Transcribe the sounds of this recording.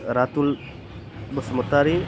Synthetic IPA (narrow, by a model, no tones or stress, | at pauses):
ɾat̪ul | bəsmət̪aɾi